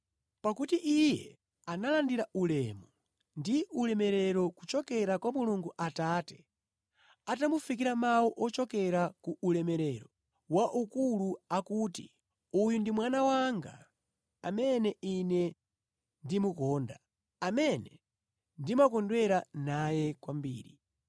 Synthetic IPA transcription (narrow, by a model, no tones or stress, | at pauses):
pakutiʔijɛ | analandiɾaulɛmɔ | ndiʔulɛmɛɾɛɾɔkut͡ʃɔkɛɾakwamuluŋɡuʔataːtɛ̥ | atamufik̬iɾamawɔʔɔt͡ʃɔkɛɾakuulɛmɛɾɛɾɔ | waʔukuluakuːti | ujundimwanawaŋɡa̰ | amɛnɛinɛ | ndimukɔːnda | amɛnɛ | ndimakɔndwɛɾanajɛkwambḭːɾi